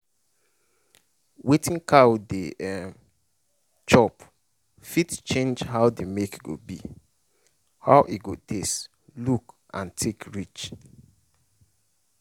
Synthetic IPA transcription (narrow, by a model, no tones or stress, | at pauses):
wetĩŋkʰawdeɛ | t͡ʃɔp | fitt͡ʃẽnd͡ʒhaʊdemekɡo̰bḭ | hawʔiɡotʰest | luk | ʔã̰ntʰekʰɹit͡ʃ